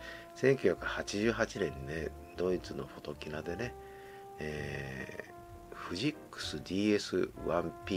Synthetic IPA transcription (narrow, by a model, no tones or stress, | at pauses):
sẽ̞ŋkʲjɨːçʲjakɯ̟hat͡ɕiʑɨːɦat͡ɕinẽ̞nine | d̪o̞it͡sɨno̞̰ɸo̞t̪o̞kʲinad̪e̞ne̞ | eː | ɸɯ̟ʑikːɯ̥sɨd̪ʲiːe̞sɨ̰βãmpʲi